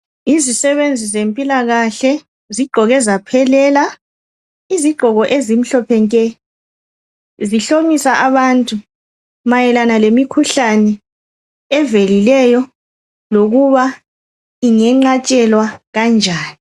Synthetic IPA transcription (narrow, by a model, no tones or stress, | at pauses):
izisɛβend͡zʱizempʼilaɣaɬɛ | ziɡ͡ǃʱɔɣɛzapʰɛlɛːla | iziɡ͡ǃʱɔɣɔʔezim̩ɬɔpʰɛŋkʼɛ | ziɬomisaʔaβantʼu | majɛlanalemikʰuɬanɛ | ɛvelilɛjɔ | loɣuβa | iŋɛŋ͡ǃat͡ʃʼɛlwaɣand͡ʒʱaːni